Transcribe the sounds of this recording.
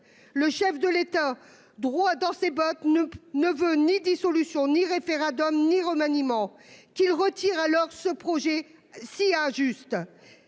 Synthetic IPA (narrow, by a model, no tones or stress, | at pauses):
ləʃɛfd̪əlet̪a | d̪ʁwad̪ɑ̃sebɔt̪nəvønid̪isɔlysjɔ̃niʁefeʁɑ̃d̪ɔmniʁəmanimɑ̃ | kʲilʁət̪iʁalɔʁsəpχɔʒɛ | siɛ̃ʒyst̪